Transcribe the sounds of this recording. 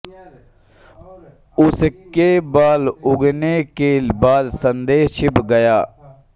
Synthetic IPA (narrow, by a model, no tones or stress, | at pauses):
ʊskeːbaːlʊɡneːkeːlbaːlsənd̪eːɦt͡ʃʰɪpɡəjaː